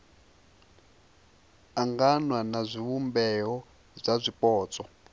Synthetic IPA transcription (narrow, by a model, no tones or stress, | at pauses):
aŋɡanwanazʷiβumbɛɦɔ | zʷazʷipɔːt͡sʼɔ